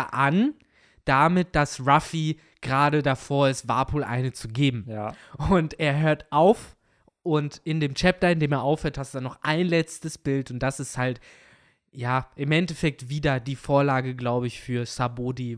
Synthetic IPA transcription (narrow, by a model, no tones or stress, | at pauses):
ʔan | d̥amɪt̚d̥asʁafi | ɡ̥ʁaːdədafoːɐɪstv̥a̰ɐpʰoːlʔa̰ɪnət͡suɡeːbm̩ʊnteːɐɦøːɐtʔaʊf | ʔʊntɪndeːmt͡ʃɛp̚tɐɪndeːmeːɐʔaʊfhøːɐthastudanɔχʔaɪnlɛt͡stəsb̥ɪltʊnt̚d̥asɪsthalt | jaːʔɪmʔɛntɛfɛk̚tv̥iːdɐdiːfoːɐlaːɡəɡlaʊbəɪçfyːɐsaboːdi